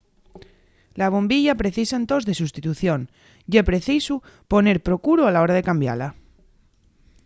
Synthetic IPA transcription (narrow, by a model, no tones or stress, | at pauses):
laβ̞o̞mbiʎapɾe̞θisaent̪o̞zðe̞sust̪it̪uθjon | jepɾe̞θisu | po̞ne̞ɾpɾo̞kuɾoalao̞ɾað̞e̞kambja̰la